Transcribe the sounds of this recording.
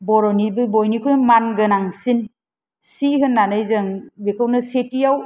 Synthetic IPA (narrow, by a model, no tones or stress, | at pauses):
bɔɾɔnibɯbɔjnikʰunɯmanɡɯnaŋsin | siɦɯnːanɯjzɯŋbekʰɯwnɯsetijaw